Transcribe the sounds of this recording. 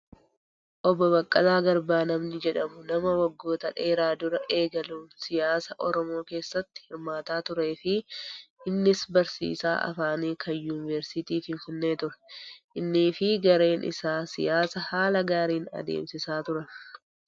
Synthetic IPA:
ʔɔbɔbɐkʼːɐlaːɡɐɾbaːnɐmnɪd͡ʒɛᶑɐmʊnɐmɐwɐɡːo̞ːt̪ɐᶑe̞ːɾaːd̪ʊɾɐʔe̞ːɡɐluːnsɪjaːsɐʔɔɾɔmo̞ːke̞ːsːɐt̪ːɪ̥hɪɾmaːt̪aːt̪ʊɾe̞ːfɪʔɪnːɪsbɐɾsḭːsa̰ːʔɐ̰faːniːkʰɐnjuːnɪvɛɾsɪt̪iːfɪɱfɪnːe̞ːt̪ʊɾɛ̥ʔɪnːiːfɪɡɐɾe̞ːnʔɪ̰saːsɪ̰jaːsɐhaːlɐɡaːɾiːnɐ̰d̪ḛːmsɪsaːt̪ʊɾɐn

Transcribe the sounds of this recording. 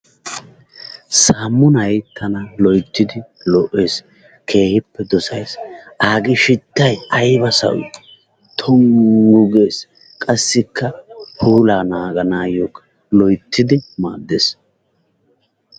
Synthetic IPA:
saːmːʊnɐjt̪ʰːɐnɐlɔjt̪ːɪd̪ɪlɔʔːe̞ːs | kʰe̞ːhɪpːɛd̪ɔsɐjsʔaːɡɪʃɪt̪ːɐjɐjbɐsɐ̰w̰ | t̪ʰɔŋɡʊɡeːs | kʼɐsːɪkʰːɐhuːlaːnaːɡɐnaːjoːkɐ̥ | lɔjt̪ʰːɪd̪ɪma̰ːd̪ːeːs

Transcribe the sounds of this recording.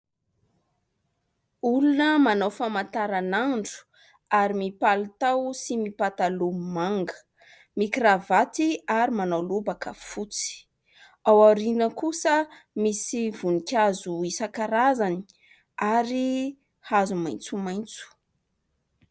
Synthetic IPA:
ulunəmanawfamant̪aɾanaɳɖ͡ʐu̥ | aɾimipalut̪awsimipat̪alumaŋɡə̥ | mikravat̪iaɾimanawlubakə̰fut͡si̥ | awaɾinəkusə | misivunikʲazuisakaɾazani̥ | aɾi | hazumajnt͡sumaj̃nt͡su̥

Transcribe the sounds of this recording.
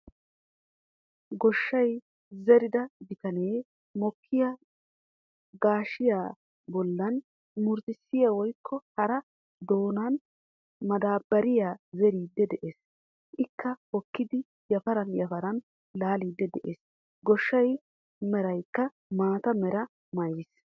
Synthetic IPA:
ɡɔʃːɐj | zɛɾɪd̪ɐd̪ɪt̪ɐneː | mɔkʰːɪja | ɡaːʃɪjaː | bɔlːɐn | mʊɾt̪ɪsːɪjawɔjkʰːɔhɐɾɐ | d̪o̞ːnɐn | mɐd̪aːbɐɾɪjaːzɛɾiːd̪ːɛd̪ɛʔeːs | ʔɪkːɐhɔkːɪd̪ɪ | jɐfɐɾɐnjɐfɐɾɐn | laːliːd̪ːɛd̪ɛʔeːs | ɡɔʃːɐj | mɛɾɐjkːɐ | maːt̪ɐmɛɾɐ | mɐjɪs

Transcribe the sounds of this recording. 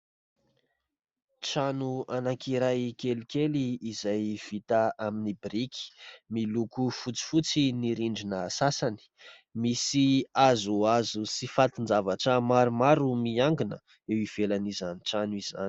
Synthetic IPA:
ʈ͡ʂanuanakiɾajkelikeliːzajv̥it̪aaminibiɾiki̥milukufut͡si̥fut͡siniɾiɳɖ͡ʐinəsasani̥ | misiazuazusifat̪ind͡zavaʈ͡ʂəmaɾumaɾumiaŋɡinə̰ | ewiv̥elanizaniʈ͡ʂanuiz̥a̰ni̥

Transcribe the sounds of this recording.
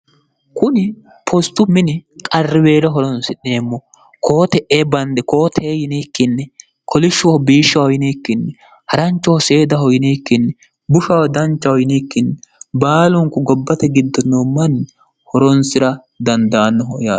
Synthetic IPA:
kʊnɪ | pʰɔst̪ːʊmɪnɪkʼɐrːɪbe̞ːɾɛɦɔɾɔnsɪneːmːɔ | kʰo̞ːt̪ɛʔeːbɐnd̪ɛko̞ːt̪ʰɛejɪneːkːɪnːɛ | kʰɔlɪʃːʊwɔbiːʃːɐwɔjɪneːkːɪnːɛ | hɐɾɐnt͡ʃːɔɔseːd̪ɐɦɔjneːkːɪnːɛ | bʊʃɐwɐd̪ɐnt͡ʃːɐɔjnekːɪnːɛbaːlʊŋkːʊɡɔbːɐt̪ɛɡɪd̪ːɔnːomːɐnː | hɔɾɔnsɪɾɐ | d̪ɐnd̪aːnːɔɦɔjaː

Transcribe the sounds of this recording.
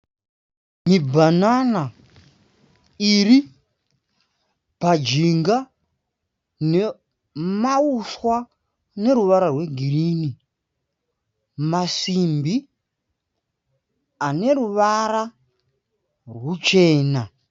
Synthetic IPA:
mibʱanana | iri | pad͡ʒiŋɡa | ne | mauswa | ne̞ɾuʋaɾarwe̞ɡʱiriːni | masimbi | ane̞ɾuʋaɾa | rwut͡ʃe̞ːna

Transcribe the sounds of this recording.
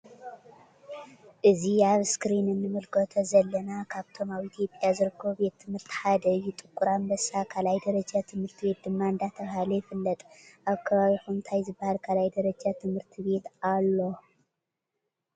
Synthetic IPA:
ʔɨziaβskɾinɨnːɨmɨlkʰot̪ʰozɐlːɐnakʰaβt̪ʰo̞maβit̪ʰijo̞pʼjazɨɾɨkʰːɐβbe̞t̪ʰːɨmhɨɾt̪ʰi̥ħad̪ɐjɪt̪ʼɨkʷʼːuɾambɐsakʰalajd̪ɐɾɐd͡ʒat̪ʰɨmhɨɾt̪ʰiβe̞t̪̚d̪ɨmːaɨnd̪at̪ʰɐβhalejfɨlːɐt̪ʼʔaβkʰɐβaβiħunt̪ʰajzɨbːahalkʰalajd̪ɐɾɐd͡ʒat̪ʰɨmhɨɾt̪ʰiβe̞t̪alːo̞

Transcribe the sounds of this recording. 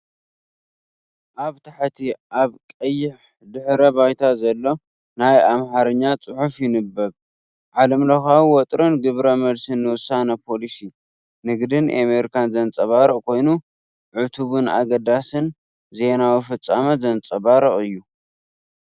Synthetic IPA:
ʔaβt̪ʰaħt̪ʰiʔaβkʼɐjːɪħ | d̪ɨħɾɐbajt̪ʰazɐlːo̞ | najamħaɾɐɲːat͡sʼɨħufjɪnɨbːɐβ | ʕalɐmlɐxawwɔt̪ʼɾonɡɨβɾɐmɐlsɨnːɨwʊsanɐpʰo̞lisi | nɨɡd̪ɨnʔameɾikʰanzɐnt͡sʼɐβaɾɨʔʼkʰo̞jnu | ʕʊt̪ʰuβɨna̰ɡɐd̪asɨn | ze̞nawifɨt͡sʼːamɐzɐnt͡sʼɐβaɾɐχʼɨjːu

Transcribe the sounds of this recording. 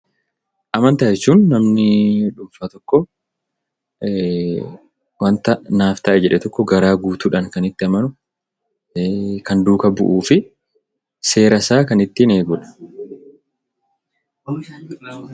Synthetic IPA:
ʔɐmɐnt̪ɐːʔɛt͡ʃːuːnːɐmnɪᶑʊmfaːt̪ɔkːɔ | wɐnt̪ɐnaːft̪ɐʔɛd͡ʒɛᶑɛt̪ɔkːɔɡɐɾaːɡuːt̪uːᶑɐŋkɐnɪt̪ːɪɐmɐnʊ | kɐnd̪uːkɐbʊ̰ʔuːfɪ | se̞ːɾɐsaːkɐnɪt̪ːɪneːɡuːᶑɐ̥

